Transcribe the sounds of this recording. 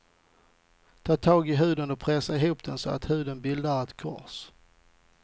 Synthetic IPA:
t̪ʰɑːt̪ʰɑːɡɪɦʉ̟ːd̪ənɔpʰɾɛsaɛɦuːp̚d̪ɛnsɔa̰t̪hʉ̟ːd̪ənbɪld̪aɾat̪kʰɔ̰ɾs

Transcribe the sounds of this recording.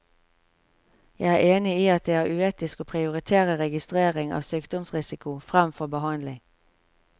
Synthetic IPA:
jæɪæːeːnɪiːɑt̪̚d̪eːæːʉeːt̪ɪskoːpʰʁɪʊʁɪt̪ʰeːʁəʁɛɡɪst̪ʁeːʁɪŋɑ̰ːʋsyːkd̪ɔmsʁɪsɪkʊfʁæmfɔʁbəhɑnlɪŋ

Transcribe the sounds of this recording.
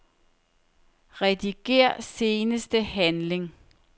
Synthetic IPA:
ʁɛd̥iɡ̥e̝̰ːɐ̰se̝ːnəsd̥əhænle̝ŋ

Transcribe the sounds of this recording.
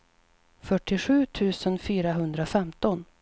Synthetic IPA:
fœʈːɪɧʉ̟ːt̪ʰʉ̟ːsənfyːɾaɦɵnd̪ɾafɛmt̪ɔn

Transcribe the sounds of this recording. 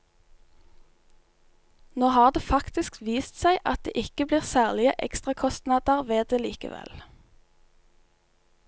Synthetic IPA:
noːhɑːʁd̪eːfɑkt̪ɪskʋiːst̪sæɪʔɑt̪̚d̪ḛːʔɪkəbliːʁsæːʁlɪəʔɛ̰kst̪ʁɑkʰɔst̪nɑd̪əʁʋeːd̪eːliːkə̰ʋɛ̰l

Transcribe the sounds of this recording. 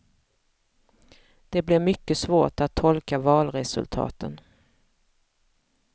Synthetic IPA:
d̪̥ɛblɛɾmʏkːəsvoːʈat̪ʰːɔlkavɑːlɾɛsɵ̰lt̪ʰɑ̰ːt̪ʰə̰n

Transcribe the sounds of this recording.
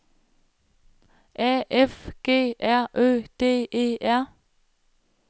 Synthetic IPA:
ʔɛːʔɛfɡ̥eːʔæɐʔøːd̪̥eːʔeːʔæɐ

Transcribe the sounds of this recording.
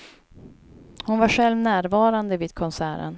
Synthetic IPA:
hʊnvaɧɛlvnæːɾvɑːɾand̪əvɪd̪̚kʰɔnsæːɾə̰n

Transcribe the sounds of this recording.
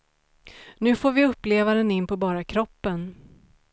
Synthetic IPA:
nʉ̟ːfoːɾvɪɵpːleːvaɾənɪnːpʰɔbɑːɾakʰɾɔpːən

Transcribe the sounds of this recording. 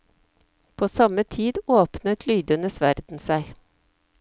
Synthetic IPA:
pʰoːsɑmət̪ʰiːd̪oːpnət̪ʰlyːd̪ənəsʋæɾd̪̥n̩sæɪ

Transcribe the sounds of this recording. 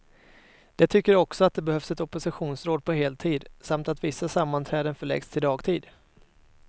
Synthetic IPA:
d̪̥ɛt̪ʰʏkːəɾɔksɔat̪̚d̪ɛbɛhœfsɛt̪ɔpːʊsɪɧuːnsɾoːd̪̚pʰɔɦeːlt̪ʰiːd̪samt̪at̪vɪsːasamːant̪ʰɾɛːd̪ənfœɭɛ̰ɡst̪ʰɪld̪ɑːɡt̪ʰiːd̪

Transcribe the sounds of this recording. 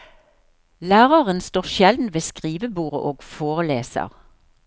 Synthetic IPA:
læːʁɑʁənst̪oːʁʃjɛld̪n̩ʋeːskʁiːʋəbuːʁə̰ʔoːɡ̥foːʁəleːsɑ̰ʁ

